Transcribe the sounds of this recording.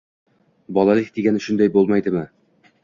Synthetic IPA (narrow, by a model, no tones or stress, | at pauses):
bɒlˠɑlˠik̚d̪iɡænɵ̆ʃɵnd̪æjbolˠmɑjd̪ɘ̆mɘ